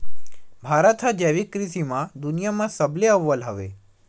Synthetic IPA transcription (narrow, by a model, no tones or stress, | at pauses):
bʱaɾət̪ʰad͡ʒeʋikɾisimãd̪unijamãsəbleəʋːəlɦəʋḛ